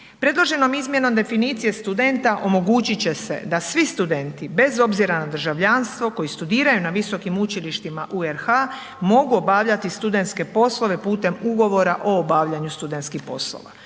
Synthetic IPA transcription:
pɾe̞d̪lˠo̞ʒe̞no̞mizmje̞no̞md̪e̞finit̪sije̞st̪ud̪ent̪aʔo̞mo̞ɡuːt͡ɕit͡ɕe̞se̞̰d̪asʋist̪ud̪ent̪ibe̞zo̞bziɾanad̪r̩ʒaʋʎanst̪ʋo̞ko̞jist̪ud̪iːɾajunaʋiso̞kimut͡ɕiliʃt̪imaʔueɾxa | mo̞ɡuo̞baːʋʎat̪ist̪ud̪e̞nt̪ske̞po̞slˠo̞ʋe̞puːt̪e̞muɡo̞ʋo̞ɾaʔo̞ːbaːʋʎaɲust̪ud̪e̞nt̪skixpo̞̰slo̰ʋa̰

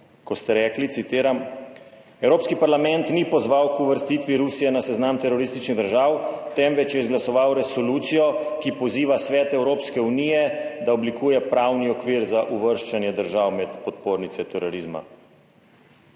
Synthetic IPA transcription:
kɔst̪ɛɾɛːklit̪sit̪eːɾam | ɛwɾoːpskipaɾlamɛ̃nt̪nipɔzʋawkuʋəɾst̪iːt̪ʋiɾusijɛnasɛznamt̪ɛɾɔɾist̪it͡ʃniɣd̪əɾʒaːwt̪ɛmʋɛt͡ʃjɛizɡlasɔʋawɾɛsɔluːt̪sijɔkipɔziːʋasʋɛːt̪ɛwɾoːpskɛuniːjɛd̪aɔblikuːjɛpɾaːwniɔkʋiːɾzaʔuʋəɾʃt͡ʃanjɛd̪əɾʒaːwmɛt̪pɔt̪̚poːɾnit̪sɛt̪ɛɾɔɾizma̰

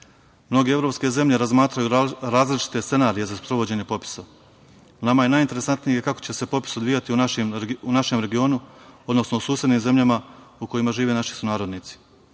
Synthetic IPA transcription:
mno̞ɡee̞vɾo̞pske̞ze̞mʎe̞ɾazmaːt̪ɾajuɾaːzlit͡ʃi̥t̪e̞st̪se̞naːɾije̞zaspɾo̞ʋo̞d͡ʑe̞ɲe̞po̞pi̥so | namajenaːjint̪e̞ɾe̞sant̪nije̞kakot͡ɕe̞se̞po̞pi̥sod̪ʋijat̪iunaʃimunaʃe̞mɾe̞ɡio̞ːnuo̞d̪no̞snousuːsjed̪niːmze̞mʎamauko̞jimaʒiːʋenaʃi̥sunaːɾo̞d̪niːt̪si̥

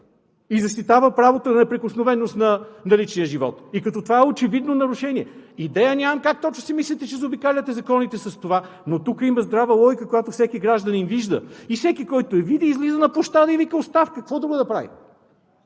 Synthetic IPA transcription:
izɐst̪it̪avəpɾavot̪onɐnɛpɾɛkʊsnovɛnost̪nɐnɐlit͡ʃnijəʒivɔ̰t̪ikɐt̪ɔt̪ovaɛot͡ʃɛvid̪nonɐɾʊʃɛniɛid̪ɛjənʲamɐmkak̚t̪ɔt͡ʃnosimislʲit̪ɛt͡ʃɛzobikalʲət̪ɛzɐkɔnit̪ɛsɐst̪ova | not̪ukəimɐzd̪ɾavəlˠɔjkəkojat̪ofsɛkiɡɾaʒd̪əninviʒd̪ə̰ifsɛkikɔjt̪oɛvid̪iːzlizənɐpoʃt̪ad̪ɐivikəost̪afkəkvɔd̪ɾuɡəd̪ɐpɾa̰vḭ

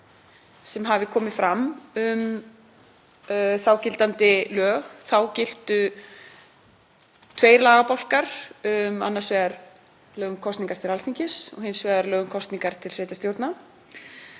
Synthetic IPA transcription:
sɛmɦavɪkʰɔːmɪfɾamʏm | θawcɪl̥t̪ant̪ɪlœːɣθawcɪl̥t̪ʏ | t̪ʰveːjɾlaːɣapawl̥kaɾ̥ʏma̰nːasvɛːɣaɾ | lœːɣʏmkʰɔst̪niŋkaɾ̥t̪ʰɪlalθiɲcɪsɔ̰hɪnsvɛːɣaɾlœːɣʏmkʰɔst̪niŋkaɾ̥t̪ʰɪlfɾɪːt̪ast̪jowɾt̪na

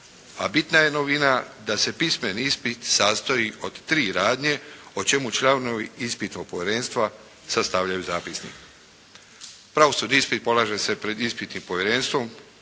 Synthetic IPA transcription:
a̰bit̪naje̞noʋinad̪ase̞pismeniispit̪sast̪oio̞d̪t̪ɾiːɾaːd̪ɲe̞ot͡ʃe̞mut͡ʃlˠaːʋnoʋiispit̪nopoʋʲjeɾe̞ːnst̪ʋa | sast̪aʋʎajuzaːpisnḭk | pɾaʋosuɾniispit̪̚po̞lˠaːʒe̞se̞pɾe̞d̪ispit̪nimpo̞ʋjeɾenst̪ʋo̞m

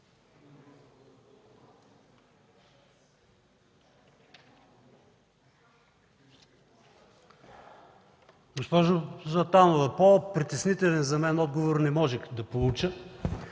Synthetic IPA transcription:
ɡospɔʒozɐt̪anovɐpopɾit̪ɛsnit̪ɛlɛnzɐmɛnɔd̪̚ɡovoɾnɛmɔʒɛxd̪ɐpolˠut͡ʃə

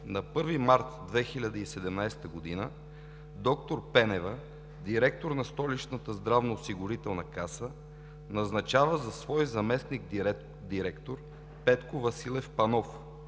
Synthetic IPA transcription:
nɐpɤɾvimaɾt̪d̪vɛxilʲɐd̪əisɛd̪ɛmnajst̪əɡod̪inə | d̪ɔkt̪oɾpɛnɛvə | d̪iɾɛk̚t̪oɾnɐst̪ɔlit͡ʃnət̪əzd̪ɾavnoːsiɡʊɾit̪ɛlˠnɐkasə | nɐznɐt͡ʃavəzɐsvɔjzɐmɛsnik | d̪iɾɛkt̪oɾ | pɛt̪kovɐsilˠɛfpɐnɔf

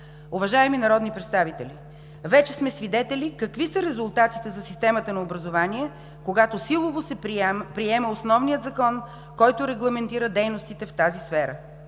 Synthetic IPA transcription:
ʊvɐʒaɛminɐɾɔd̪nipɾɛt̪st̪avit̪ɛlʲi | vɛt͡ʃɛsmɛsvid̪ɛt̪ɛlikɐkvisəɾɛzʊlˠt̪at̪it̪ɛzɐsist̪ɛmət̪ənɐobɾɐzovaniɛ | koɡat̪osilˠovosɛpɾiɛməosnɔvnijət̪zɐkɔn | kɔjt̪ʊɾɛɡlˠɐmɛnt̪iɾəd̪ɛjnost̪it̪ɛft̪azisfɛɾə

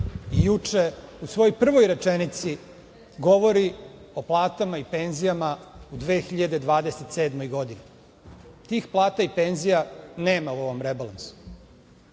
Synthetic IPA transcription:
ijut͡ʂeusʋo̞jojpr̩ʋo̞jɾe̞t͡ʃenit̪si | ɡo̞ʋo̞ɾi | oplˠaːt̪amaipe̞nzijamaud̪ʋe̞ːxiʎad̪e̞d̪ʋaːd̪eset̪seːd̪mo̞jɡo̞d̪ine | t̪iːxplˠaːt̪aipe̞nzijaneːmauo̞ʋo̞mɾebalˠansu̥

